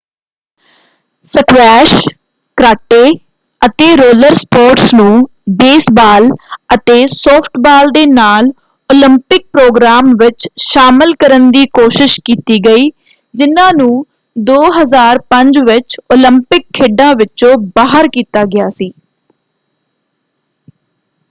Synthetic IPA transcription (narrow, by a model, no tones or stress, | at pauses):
səkʋɛːʃ | kɾaːʈːeː | ət̪eːɾoːləɾspoːɾʈsnũː | beːsbaːlət̪eːsɔːpʰʈʰbaːld̪eːnaːl | oːlɪ̃mpɪk̚pɾoːɡɾaːmʋɪt͡ʃʃaːmɪlkəɾənd̪iːkoːʃɪʃkiːt̪iːɡəiː | d͡ʒɪnãːnũː | d̪oːɦəzaːɾpəɲd͡ʒʋɪt͡ʃoːlɪmpɪkʰːeːɖãːʋɪt͡ʃõːbaːɦəɾkiːt̪aːɡɪjaːsiː